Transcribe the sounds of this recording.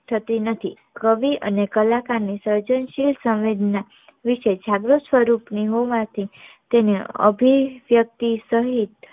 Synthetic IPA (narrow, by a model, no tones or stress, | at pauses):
ʈ̪ʰət̪inət̪ʰi | kəʋiʔənekəlakanisəɾd͡ʒənʃilsə̃ʋʋed̪ʱna | ʋiʃed͡ʒʱaɡɾosʋəɾupniɦoʋãt̪ʰit̪eneə̰bʱiʋjək̚t̪isəɦit̪